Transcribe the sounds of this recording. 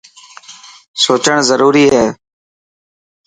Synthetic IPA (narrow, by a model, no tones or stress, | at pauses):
soːt͡ʃəɳ̃zəɾuːɾiːɦɛː